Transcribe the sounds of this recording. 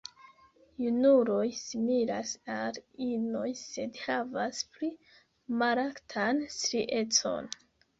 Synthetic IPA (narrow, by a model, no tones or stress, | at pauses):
junuɾo̞jsimiɾasalino̞jse̞dhavaspli | maɾaktʰanstɾiʔe̞t͡so̞̰n